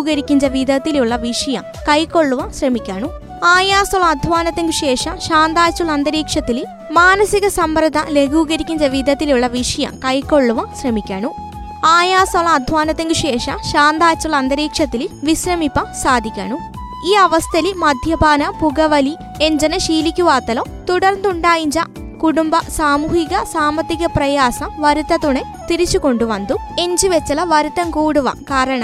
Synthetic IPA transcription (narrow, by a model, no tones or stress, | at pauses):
uɡɐɾikiɲt͡ʃɐʋid̪ɐt̪ilijuɭːɐʋiʂɐjɐ | kɐjkoɭːuʋɐsɾɐmikʲaːɳu | aːjaːsɐlɐːd̪ʱʋaːnɐt̪ɐŋɡuʂɛːʂɐʃaːnd̪aːt͡ʃulɐɐnd̪ɐɾiːkʂɐt̪ili | maːnɐsikɐsɐmbɾɐd̪ʱɐleɡuːɡɐɾikiɲt͡ʃɐʋid̪ɐt̪iljuɭːɐʋiʂɐjɐ̰kɐjkoɭːuʋɐsɾɐmikʲa̰ːnu | aːjaːsɐlɐːd̪ʱʋaːnɐt̪ɐŋɡuʃɛːʂɐʃaːnd̪aːt͡ʃulɐɐnd̪ɐɾiːkʂɐt̪iliʋisɾɐmipɐsaːd̪ikɐ̰nu | iːɐʋɐst̪ɐlimɐd̪ʱjɐbaːnɐpuɡɐʋɐli | eɲd͡ʒɐnɐʃiːlikiʋaːt̪ɐlo | t̪uɽɐɾnd̪uɳɖaːjiɲd͡ʒɐ | kuʈumbɐsaːmuːɦiɡɐsaːmɐt̪ikɐpɾɐjaːsɐmʋɐɾit̪ɐt̪une | t̪iɾit͡ʃukoɳɖuʋɐnd̪u | eɲd͡ʒiʋet͡ʃːɐlɐʋɐɾit̪ɐŋkuːɽuʋɐ̰kaːɾɐɳɐ